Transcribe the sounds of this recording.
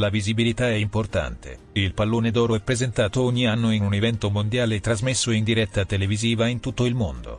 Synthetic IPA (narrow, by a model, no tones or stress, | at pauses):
lavizibilit̪aɛimport̪a̰nt̪ḛ | ilpalːoːned̪ɔːɾoɛpːɾezent̪aːt̪ooɲːianːoinunevɛnt̪omond̪jaːlet̪ɾazmesːoind̪iɾɛt̪ːat̪eleviziːvaint̪ut̪ːoilmond̪o̰